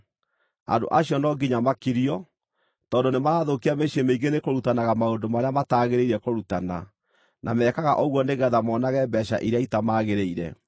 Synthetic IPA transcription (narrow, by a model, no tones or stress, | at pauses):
a̰ndo̰ʔaɕjɔnɔɡiɲamakiɾiɔ | tɔːndonemaɾaːðokiameɕiemeiŋɡenekoɾutanaɣamaondomaɾeamataːɣeɾeiɾɛkoɾutana̰ | nʔa̰mɛːkaɣa̰ʔɔɣwɔneɣɛðamɔːnaɣɛbɛɕa̰ʔiɾeaitamaːɣeɾeiɾɛ̰